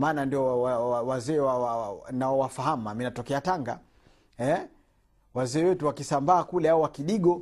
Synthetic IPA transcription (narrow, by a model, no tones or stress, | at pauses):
maːnandiɔwaawazɛːwawanaɔwafaɦamaminatɔkɛataŋɡa | ɛ | wazɛːwɛtuwakisambaːkulɛaɔwakiɗiɠɔ